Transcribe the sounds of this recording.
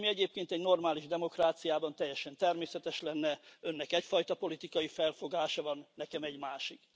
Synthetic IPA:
miɛɟeːp̚keːnt̪ɛɟno̞rmaːliʒd̪ɛmo̞kraːt̪sijaːbɒnt̪ɛjːɛʃɛnt̪ɛrmeːsɛt̪ɛʃlɛnːɛø̞nːɛkɛcfɒjt̪ɒpo̞lit̪ikɒjifɛlfo̞ɡaːʃɒvɒnːɛkɛmɛɟmaːʃik

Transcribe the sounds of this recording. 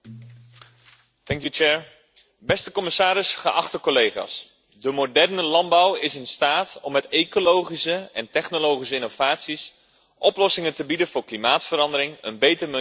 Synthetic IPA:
tɛŋkjut͡ʃɛːɹ | bɛstəkɔmɪsaːɾɪsχəʔɑχtəkolejχa̰ːs | dəmodɛrnəlɑnbawɪsɪnstaːtɔmːɛtejkolowχisəɛntɛχnolowχisəɪnov̥aːtsis | ʔɔplɔsɪŋəntəbidənvʊːɹklimaːtfəɾɑndəɾɪŋə̰nbejtərm

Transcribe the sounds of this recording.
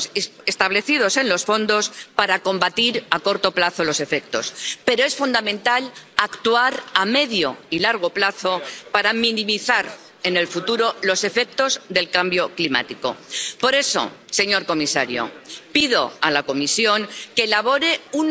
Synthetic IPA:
est̪aβ̞le̞θið̞o̞se̞nlo̞sfo̞nd̪o̞spaɾako̞mbat̪iɾako̞ɾt̪o̞plaθo̞lo̞se̞fe̞k̚t̪o̞spe̞ɾoe̞sfund̪amẽ̞nt̪alakt̪uaɾame̞ðjo̞̰ilaɾɣ̞o̞plaθo̞paɾamĩnĩmiθaɾ | e̞ne̞lfut̪uɾo̞lo̞se̞fe̞k̚t̪o̞zðe̞lkambjo̞klima̰t̪iko̞̰po̞ɾe̞so̰se̞ɲo̞ɾko̞misa̰ɾjo̰pið̞o̞alako̞misjo̞ŋke̞ːlaβ̞o̞ɾe̞un

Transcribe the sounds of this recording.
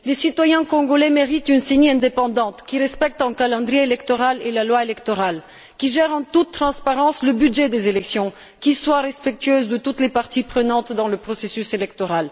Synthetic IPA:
lesit̪wajɛ̃kɔ̃ɡɔlɛmeʁit̪ynseniɛ̃d̪epɑ̃d̪ɑ̃t̪kʲiʁɛspɛk̚t̪ɑ̃kalɑ̃d̪ʁijeelɛkt̪ɔʁalelalwaelɛkt̪ɔʁal | kʲiʒɛʁɑ̃t̪ut̪ːχɑ̃spaʁɑ̃sləbyd̪ʒɛd̪ezelɛksjɔ̃ | kʲiswaʁɛspɛk̚t̪ɥøzd̪ət̪ut̪lepaʁt̪ipχənɑ̃t̪d̪ɑ̃ləpχɔsesyselɛkt̪ɔʁal

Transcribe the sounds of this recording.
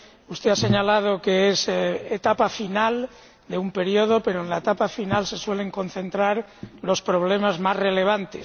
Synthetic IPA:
ust̪ease̞ɲalað̞o̞keeset̪apafinal | d̪e̞umpe̞ɾjo̞ð̞o̞pe̞ɾoenlaet̪apafinalse̞swe̞le̞ŋko̞n̟θe̞nt̪ɾaɾlo̞spɾo̞βle̞mazmazre̞le̞β̞ant̪e̞s

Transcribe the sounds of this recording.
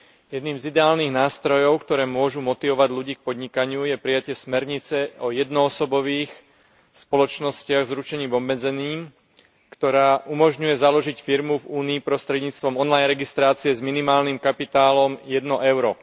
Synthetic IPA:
jɛd̪niːmzid̪ɛaːlniːɣnaːst̪ɾɔjɔʊkt̪ɔɾɛːmʊɔʒumɔt̪iʋɔʋaɟʎuɟiːk̚pɔd̪ɲikaɲɪujɛpɾijacɪɛsmɛɾɲit͡sɛɔjɛd̪nɔːsɔbɔʋiːx | spɔlɔt͡ʃnɔscɪaɣzɾut͡ʃɛɲiːvɔbmɛd͡zɛniːm | kt̪ɔɾaːʔumɔʒɲujɛzalɔʒicfiɾmuvuːniːpɾɔst̪ɾɛd̪ɲiːt͡st̪ʋɔmɔnlajnɾɛɡist̪ɾaːt͡siɛzminimaːlnimkapit̪aːlɔmjɛd̪nɔʔɛʊɾɔ

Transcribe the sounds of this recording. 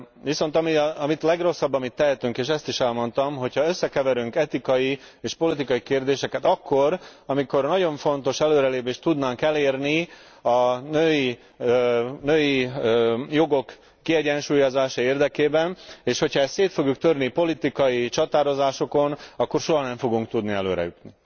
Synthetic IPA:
ʋiso̞nt̪ɒmiɒmit̪lɛɡro̞sːɒbːɒmit̪ːɛɦɛt̪yŋkeːʃɛst̪iʃɛlmo̞nt̪ɒmɦo̞chɒø̞sːɛkɛvɛɾyŋkɛt̪ikɒji | eːʃpo̞lit̪ikɒjikeːrd̪eːʃɛkɛt̪ɒkːo̞rɒmiko̞rnɒɟo̞ɱfo̞nt̪o̞ʃɛløːɾɛleːpeːʃt̪ːud̪naːŋkɛleːrni | ɒnøːji | nøːji | jo̞ɡo̞kː | iɛɟɛnʃuːjozaːʃɒeːrd̪ɛkeːbɛneːʃho̞cʰhɒɛst̪seːt̪fo̞ɡjukt̪ørnipo̞lit̪ikɒjit͡ʃɒt̪aːɾo̞zaːʃo̞ko̞nɒkːo̞rʃo̞ɦɒnɛɱfoɡuŋkt̪ud̪niɛlø̰ːɾɛ̰jut̪ni

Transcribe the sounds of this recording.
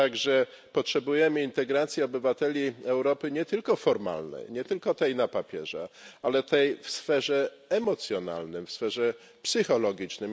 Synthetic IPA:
t̪aɡʐɛ | pɔtʂɛbujɛmɘint̪ɛɡɾat̪sʲjɛɔbɘvat̪ɛlʲiɛwɾɔpɘɲɛt̪ɘlkɔfɔɾma̰lnɛ̰jɲɛt̪ɘlkɔt̪ɛjnapapʲjɛ̰ʐa̰alɛt̪ɛjfsfɛʐɛ | ɛmɔt̪sʲjɔna̰lnɘmfsfɛʐɛ | psɘxɔlɔɡʲit͡ʂnɘm

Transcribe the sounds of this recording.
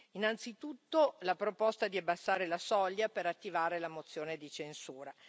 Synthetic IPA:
inant̪sit̪ut̪ːolapɾopɔst̪ad̪iabːasːaːɾelasɔʎːapeɾat̪ːivaːɾelamot̪sːjoːned̪it͡ʃensuːɾa

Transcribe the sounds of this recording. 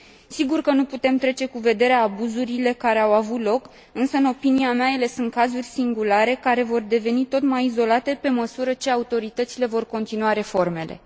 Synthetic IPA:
siɡurkənuput̪e̞mt̪ɾe̞t͡ʃe̞kuve̞d̪e̞ɾeaːbuzuɾile̞kaɾe̞awavut̪lo̞k | ɨnsəɨno̞piniameaje̞le̞sɨnt̪̚kazurʲsiŋɡulaɾe̞kaɾe̞vo̞rd̪e̞ve̞nit̪o̞t̪majizo̞lat̪e̞pe̞məsuɾət͡ʃe̞aut̪o̞ɾit̪ət̪sile̞vo̞rko̞nt̪inuaɾe̞fo̞rme̞le̞̰

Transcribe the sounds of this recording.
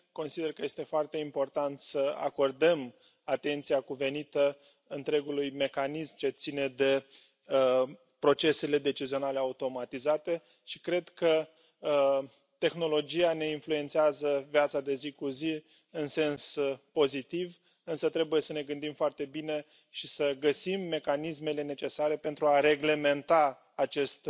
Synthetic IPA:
ko̞nsid̪erkəje̞st̪e̞foart̪e̞impo̞rt̪ant̪səa̰ko̞rd̪əm | at̪e̞nt̪sijakuve̞nit̪ə | ɨnt̪ɾe̞ɡulujme̞kanismt͡ʃe̞t̪sine̞d̪e̞ | pɾo̞t͡ʃe̞se̞le̞d̪e̞t͡ʃizio̞nale̞aut̪o̞mat̪izat̪e̞ | ʃikɾe̞d̪kə | t̪e̞xno̞lo̞d͡ʒiane̞influent̪siazəviat̪sad̪e̞zikuzi | ɨnse̞nspo̞zit̪iv | ɨnsət̪ɾe̞buje̞səne̞ɡɨnd̪imfoart̪e̞bine̞ | ʃisəɡəsimːe̞kanisme̞le̞ne̞t͡ʃe̞saɾe̞pe̞nt̪ɾuaɾe̞ɡle̞me̞nt̪aː | t͡ʃe̞st̪

